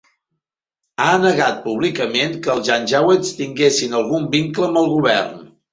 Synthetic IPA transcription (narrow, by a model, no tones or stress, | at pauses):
aənəɣat̪̚puβlikəmenkəːlˠʒanʲʒawest̪iŋɡesinəlˠɣumbiŋkləmbəlˠɣuβ̞ɛrn